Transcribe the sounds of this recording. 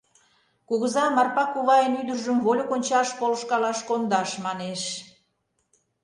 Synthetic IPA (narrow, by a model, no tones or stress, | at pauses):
kuɣəzɑmɑrpɑkuɣɑjənyd̪ərʒəmvolʲokonʲt͡ɕɑʃpoləʃkɑlɑʃkond̪ɑʃmɑneʃ